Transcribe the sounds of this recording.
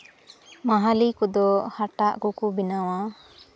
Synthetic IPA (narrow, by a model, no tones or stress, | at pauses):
maɦalikɔd̪ɔhaʈaʔkukubinawa